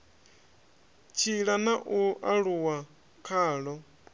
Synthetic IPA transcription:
t͡ʃʰiɺanaʔuaɺuwa | kʰaːɺɔ

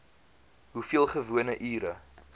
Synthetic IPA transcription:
ɦufiəlˠχəvuənəʔyːɾə

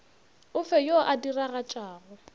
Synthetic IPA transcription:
ʊfɛjoʔadiraɣat͡ʃʼaːɣʊ

